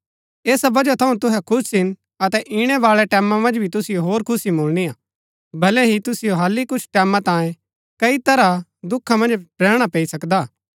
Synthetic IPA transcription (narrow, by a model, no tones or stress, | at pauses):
eːsabɐd͡ʒat̪ʰɐũt̪ʊɦɛkʰʊsɪn | ɐt̪ɛʔiɽ̃ɛʋaːɭɛʈɛːmãmɐ̃nd͡ʒbʱit̪ʊsɪjoɦoːɾkʰʊsimoːlñijaː | bɐlɛ̃ɦit̪ʊsɪjoɦaːlːikʊt͡ʃʰʈɛːmãt̪ãːjẽ | kɐit̪ɐɾad̪ʊkʰːamɐ̃nd͡ʒɾɛːɽ̃apeːisɐkd̪aː